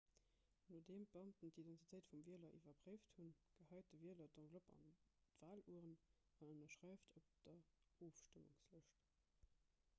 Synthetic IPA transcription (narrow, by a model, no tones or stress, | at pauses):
nuːdeːmbəɑmtəndidɛntitʰəɪtfumviəlɐʔivɐpʁeɪfthunɡ̥əhɑɪt̚dəviəlɐdɑ̃ɡlopɑ̰ntv̥aːluəʁənɑnənɐʃʁæɪftʰop̚d̥ɐoːfʃtəmṵŋsləʃt